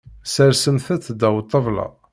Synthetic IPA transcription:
səɾsənθæθd̪æwt̪ˤːəvlɑ̰

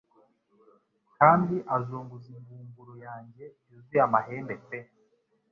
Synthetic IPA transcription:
kaːndiʔazuːŋɡuzimɡuːmbuɾojaːɲɟe̞juziamaheːndet͡se

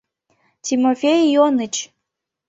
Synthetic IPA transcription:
tʲimofʲejjonət͡ɕ

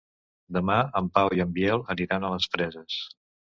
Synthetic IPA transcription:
d̪əmaəmpawiəmbjɛlˠəniɾanələsfɾɛzəs

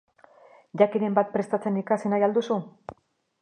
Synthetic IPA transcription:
ʝakine̞mbat̪̚pɾe̞st̪at͡senikasinajald̪usu

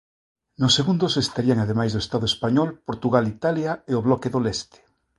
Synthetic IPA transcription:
noseɣund̪osest̪aɾiaŋaðemajzðoest̪aðoespaɲɔlpoɾt̪uɣalit̪aljaeoβlɔkeðolest̪e̥

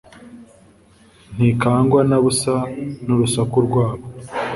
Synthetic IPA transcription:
n̥hikaːŋɡwanaβusanuɾusakuɾɡwaːβo

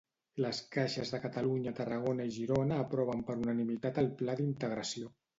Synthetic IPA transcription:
ləskaʃəzðəkət̪əluɲət̪ərəɣ̞onəiʒiɾonəːpɾɔβ̞əmpəɾunənimit̪at̪əlˠplaðint̪əɣɾəsio

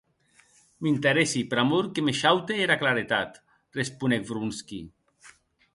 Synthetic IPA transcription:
mint̪eɾesipeɾamoɾkemeʃawt̪eeɾaklaɾet̪at̪ | respunekbɾunski

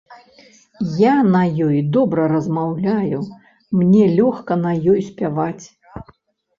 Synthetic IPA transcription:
janɐjɔjd̪ɔbɾɐɾɐzmawlʲaju | mnʲɛlʲɔxkɐnɐjɔjsʲpʲavat͡sʲ

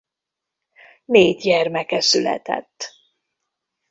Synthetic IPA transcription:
meːt̪ɟɛrmɛkɛsylɛ̰t̪ɛ̰t̪ː

